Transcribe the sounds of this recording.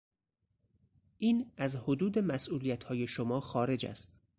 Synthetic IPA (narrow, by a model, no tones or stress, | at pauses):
ʔiːnæzhod̪uːd̪e̞mæsʔuːlijæt̪hɒːje̞ʃomɒːxɒːɾe̞d͡ʒæ̰st̪